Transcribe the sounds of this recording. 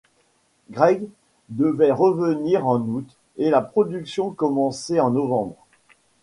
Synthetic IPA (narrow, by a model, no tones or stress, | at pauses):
ɡʁɛɡ | d̪əvɛʁəvəniʁɑ̃nut̪ | elapχɔd̪yksjɔ̃kɔmɑ̃sɛɑ̃nɔvɑ̃bʁ